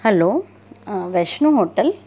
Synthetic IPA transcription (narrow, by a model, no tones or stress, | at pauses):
hɛloː | ʋeʃnuɦoːʈɐl